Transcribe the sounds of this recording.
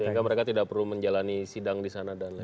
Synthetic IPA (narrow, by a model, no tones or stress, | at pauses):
jikaməɾekat̪idak̚pərluməɲd͡ʒalanisidaŋdisanadanla